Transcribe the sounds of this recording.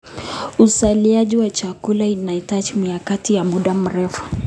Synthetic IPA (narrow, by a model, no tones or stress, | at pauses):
usaliaʄiwat͡ʃakulainaitat͡ʃimiakatijamuɗam̩ɾɛfu̥